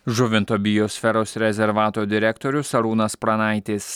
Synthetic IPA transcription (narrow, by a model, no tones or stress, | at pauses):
ʒʊʋʲɪnt̪oːbʲɪjɔːsʲfʲɛɾoːsɾʲɛzʲɛɾʋɑːt̪oːd̪ʲɪɾʲɛkt̪oːɾʲʊsɐɾuːnɐspɾɐnɑˑɪt̪ʲɪs